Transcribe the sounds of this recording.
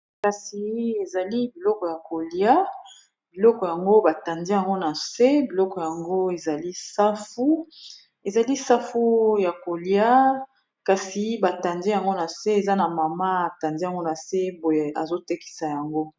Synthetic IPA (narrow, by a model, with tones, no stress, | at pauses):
ka˨si˨e˨za˨li˦bi˨lɔ˦kɔ˨ja˨ko˨lja˦ | bi˨lɔ˦kɔ˨ja˨ŋɡo˦ba˨ta˨ndi˦ja˨ŋɡo˦na˨se˦bi˨lɔ˦kɔ˨ja˨ŋɡo˦e˨za˨li˦sa˦fu˦ | e˨za˨li˦sa˦fu˦ja˨ko˨lja˦ | ka˨si˨ba˨ta˨ndi˦ja˨ŋɡo˦na˨se˦e˨za˦na˨ma˨ma˦a˨ta˨ndi˦a˨ŋɡo˦na˨se˦bo˨e˨a̰˨zo˦te˦ki̥˨sa˨ja˨ŋɡo˦